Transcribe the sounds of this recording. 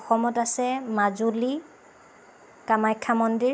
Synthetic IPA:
ɔxɔmɔtasɛmazuli | kamajkʰːamɔndiɹ

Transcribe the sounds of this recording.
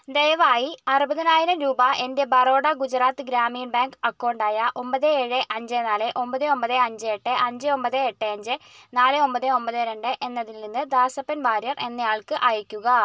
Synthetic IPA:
d̪ejʋaːjiɐrubɐðinaːjiɾɐmɾuːbɐe̞nde̞bɐro̞ːɽɐɡud͡ʑɐraːt̪ːɨɡɾaːmiːnbaːŋkɐkːoːɳɖaːjɐʔo̞mbɐðɨeːɻɨʔɐɲd͡ʑenaːlɨʔo̞mbɐðɨo̞mbɐðɨɐɲd͡ʑɨeʈːɨʔɐɲd͡ʑɨo̞mbɐðɨeʈːɨɐɲd͡ʑɨnaːlɨo̞mbɐðɨo̞mbɐðɨɾeɳɖɨʔe̞nːɐðilninːɨd̪aːsɐpːɐnʋaːɾjɐre̞nːɐjaːɭkɨʔɐjɐkʲːuɣɐ

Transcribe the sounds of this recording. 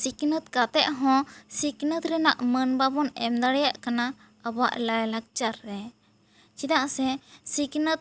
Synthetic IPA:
siknət̪̚kat̪ɛʔɦɔ̃siknət̪ɾɛnaʔmənbabɔnɛmd̪aɽɛjaʔkana | əbaʔlajlak̚t͡ʃaɾːɛ | t͡ʃid̪aʔsɛsiknət̪̚

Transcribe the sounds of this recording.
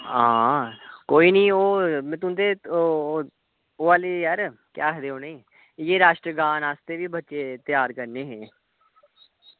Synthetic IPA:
ãːkoːiːnĩːoːmɛ̃ːt̪ʊ̃ːnd̪eː | oːʋaːleːjaːɾkjaːɦd̪eːoːneiː | jeːɾaːʃʈɾəɡaːnaːst̪eːʋiːbətːʃeːt̪ɪjaːɾkəɾneːɦẽː

